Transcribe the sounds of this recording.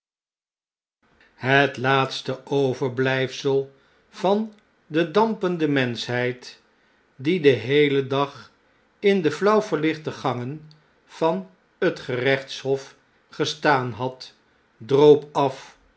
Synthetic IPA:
ɦətlaːtstəowvəɹblɛjfsəlˠ | v̥ɑn | dədɑmpəndəmɛnsɦɛjt | didəɦejlədɑχ | ɪndəflʌwvəɹlɪχtəχɑŋən | v̥ɑn | ɦətχərɛχtsɦɔf | χəstaːnɦɑt | drowpɑf

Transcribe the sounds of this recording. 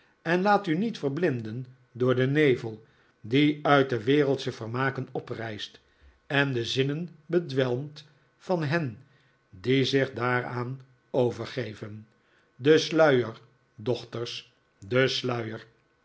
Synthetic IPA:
ɛnlaːtynitfəɹblɪndən | dʊːɹdənejvəlˠ | diœɥt̚dəʋɪːrəlˠtsəv̥əɹmaːkənɔprɛjst | ɛndəzɪnənbədʋɛlˠmt | fɑnɦɛn | dizɪχdaːɹaːn | owvəɹχejvən | dəslœɥəɹ | dɔχtərs | dəslœɥəɹ

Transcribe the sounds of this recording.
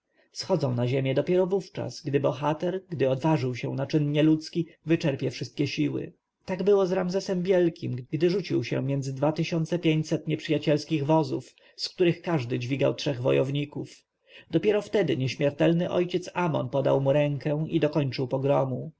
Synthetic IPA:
sxɔd̪zɔ̃w̃naʑemʲjɛd̪ɔpʲjɛɾɔvuft͡ʂa̰sɡd̪ɘbɔxat̪ɛɾɡd̪ɘɔd̪vaʐɘwɕɛ̰w̃nat͡ʂɘnɲɛlut̪skʲivɘt͡ʂɛɾpʲjɛfʂɘst̪̚kʲɛɕiwɘ̰ | t̪aɡbɘwɔzɾamzɛsɛmvʲjɛlkʲimɡd̪ɘʐut͡ɕiwɕɛ̰mʲjɛnd̪zɘd̪vat̪ɘɕɔnt̪sɛpʲjeɲt͡ɕsɛt̪ɲɛpʂɘjat͡ɕɛlskʲiɣvɔzuf | skt̪uɾɘxkaʐd̪ɘd͡ʑvʲiɡa̰wtʂɛɣvɔ̰jɔvɲikuf | d̪ɔpʲjɛɾɔft̪ɛd̪ɘɲɛɕmʲjɛɾt̪ɛlnɘʔɔ̰jt͡ɕɛt̪samɔ̰npɔd̪a̰wmuɾɛŋkɛ̃id̪ɔkɔɲt͡ʂɘwpɔɡɾɔmu

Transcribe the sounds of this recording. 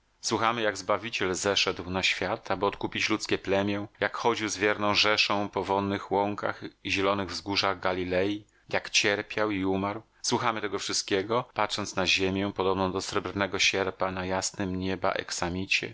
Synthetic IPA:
swuxamɘjaɡzbavʲit͡ɕɛlzɛʂɛd̪wnaɕfʲjat̪ʰabɘɔt̪̚kupʲit͡ɕlut̪skʲɛplɛmʲjɛjakxɔd͡ʑiwzvʲjɛɾnɔ̃w̃ʐɛʂɔ̃w̃pɔvɔnːɘxwɔŋka̰xiʑɛlɔnɘɣvzɡuʐaɣɡalʲilɛji | jakt͡ɕɛɾpʲjawiumaɾw | swuxamɘt̪ɛɡɔfʂɘst̪̚kʲeɡɔpat̪ʂɔntsnaʑemʲjɛpɔd̪ɔbnɔ̃w̃d̪ɔsɾɛbɾnɛɡɔɕɛɾpanajasnɘmɲeba̰ʔɛ̰ksamʲit͡ɕɛ̰

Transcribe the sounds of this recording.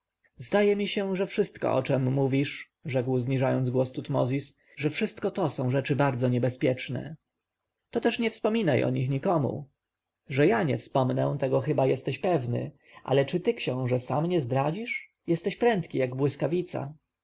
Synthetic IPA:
zd̪ajɛmʲiɕɛʐɛfʂɘst̪kɔ̰ʔɔ̰t͡ʂɛmːuvʲiʂ | ʐɛkwzɲiʐajɔnd̪zɡwɔst̪ut̪mɔ̰zʲis | ʐɛfʂɘst̪kɔt̪ɔsɔ̃w̃ʐɛt͡ʂɘbaɾd̪zɔɲɛbɛspʲjɛt͡ʂnɛ̰ | t̪ɔt̪ɛʂɲɛfspɔmʲinajʔɔ̰ɲixɲikɔmṵ | ʐɛjaɲɛ̰fspɔmnɛ̰̃t̪ɛɡɔxɘbajɛst̪ɛɕpɛvnɘ̰ | ʔa̰lɛt͡ʂɘt̪ɘkɕɔ̃w̃ʐɛsamɲɛzd̪ɾad͡ʑiʂ | jɛst̪ɛɕpɾɛnt̪kʲijaɡbwɘskavʲit̪sa̰

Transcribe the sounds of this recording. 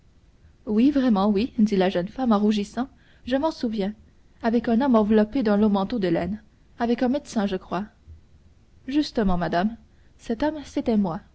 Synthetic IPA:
wivʁɛmɑ̃wid̪ilaʒœnfamɑ̃ʁuʒisɑ̃ | ʒəmɑ̃suvjɛ̃ | avɛkɛ̃nɔmɑ̃vlɔped̪ɑ̃lomɑ̃t̪od̪əlɛn | avɛkɛ̃med̪sɛ̃ʒəkχwa | ʒyst̪əmɑ̃mad̪am | sɛt̪ɔmset̪ɛmwa

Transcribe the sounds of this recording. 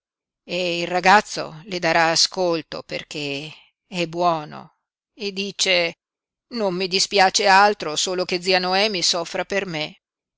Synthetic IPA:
eilraɡat̪sːo̰led̪aɾaːskolt̪o̰pḛrk̟e | ɛbːwɔːno̰ | ed̪ːiːt͡ʃe | nomːid̪ispjaːt͡ʃealt̪ɾosoːlok̟ed̪zianoɛːmisɔfːɾaperme

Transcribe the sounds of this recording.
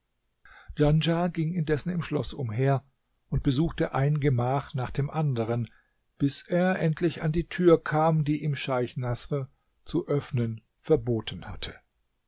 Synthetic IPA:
d͡ʒ̥and͡ʒaɡɪŋɪndɛsn̩ɪmʃlɔsʔʊmɦeːɐ | ʔʊnt̚b̥əzuːxtəʔaɪnnɡəmaːχnaːχd̥eːmʔandəʁ̞ən | b̥ɪsʔeːɐʔɛntʰlɪçandiːtʰyːɐkʰaːmdiːʔiːmʃaɪçnasʁə | t͡suʔœfnən | fɛɐboːtʰn̩hatʰə̥

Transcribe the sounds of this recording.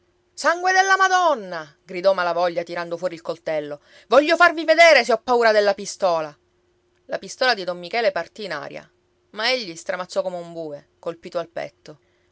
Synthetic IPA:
saŋɡwed̪elːamad̪ɔnːa | ɡɾid̪ɔmalavɔʎːat̪iɾand̪ofwɔːɾilkolt̪ɛlːo | vɔʎːofarvived̪eːɾeseɔpːauːɾad̪elːapist̪ɔːla | lapist̪ɔːlad̪id̪omːikɛːlepart̪iːna̰ːɾja̰ | maeʎːist̪ɾamat̪sːɔkomeumbuːe | kolpiːt̪oalpɛ̰t̪ːo

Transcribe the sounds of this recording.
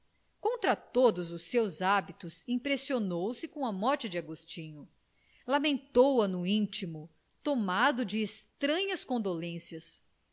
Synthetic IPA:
kõnt̪ɾɐt̪od̪ʊzʊsewzabit̪ʊsĩpɾesionowsɪkõɐmɔɾt͡ʃɪd͡ʒɪaɡost͡ʃĩɲʊ | lamẽnt̪owɐnʊĩt͡ʃimʊ | t̪omad̪ʊd͡ʒɪːst̪ɾɐ̃ɲɐskõd̪olẽsiɐs

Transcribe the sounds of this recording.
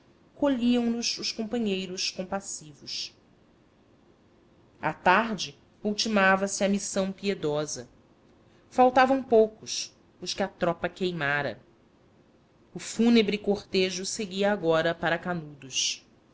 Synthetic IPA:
koʎiɐ̃w̃nʊzʊʃkõmpɐ̃ɲejɾʊʃkõpasivʊs | a̰t̪aɦd͡ʒɪ | uwt͡ʃimavɐsɪɐmisɐ̃w̃pied̪ɔzɐ | fawt̪avɐ̃w̃powkʊʃ | ʊʃkɪɐt̪ɾɔpɐkejmaɾɐ̰ | ʊfunebɾɪikoχt̪eʒʊseɡiɐːɡɔɾɐpaɾɐkanud̪ʊs

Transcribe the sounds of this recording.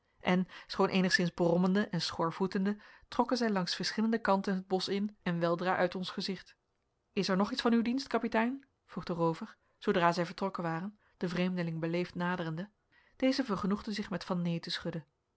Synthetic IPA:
ʔɛnsχownʔḛjnəχsɪnzbərɔməndəʔɛnsχɔɹvutəndətrɔkənzɛjlɑŋsfəɹsχɪləndəkɑntənɦəd̚bɔsɪnɛnʋɛlˠdraːʔœɥtɔnsχəzɪχt | ɪsɛɹnɔχitsfɑnywdinstkɑpitɛjn | v̥ruχdərowvəɹ | zowdraːzɛjvəɹtrɔkənʋaːrən | d̥əvrejmdəlɪŋbəlejftnaːdərəndə | d̥ejzəvəɹχənuχdəzɪχmɛtfɑnːejtəsχɵdən

